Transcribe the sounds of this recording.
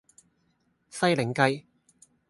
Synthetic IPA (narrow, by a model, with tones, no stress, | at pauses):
sɐ˥jlɪ˨˩ŋkɐ˧j